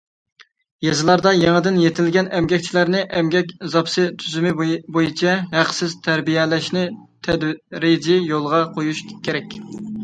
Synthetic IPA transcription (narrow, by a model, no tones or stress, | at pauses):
jezɨlˠɑɾd̪ɑjeŋəd̪ɪnjet̪ʰɪlɡʲɛnɛmɡʲɛkʲt͡ʃʰilæɾnɪʔɛmɡʲɛkʲzɑpsɨt̪ʰyzymɪbojit͡ʃʰɛɦæqsɪzt̪ʰæɾbijɛlæʃnɪt̪ʰɛd̪ɾɪd͡ʒɪjolˠʁɑqʰojuʃkʲʰeɾɛkʲ